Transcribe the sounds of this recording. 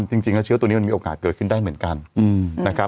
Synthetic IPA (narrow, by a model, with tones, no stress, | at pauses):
t͡ɕi˧ŋt͡ɕï˧˩ŋn˨˧˦t͡ɕʰt̪u˧˩˨i˧˦˧mi˧˨˩ŋaː˨˩kəː˨˧˩xi˧nɗ̪aː˧ŋmi˨˦ənka˨˩nna˨˦xaː˦